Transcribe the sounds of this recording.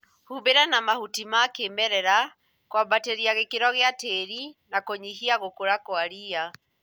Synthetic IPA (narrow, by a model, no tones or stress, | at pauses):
hubeɾanamahutimakemɛɾɛɾa | kwabateɾiaɣekeɾɔɣeateɾinakoɲiɦiaɣokoɾakwaɾia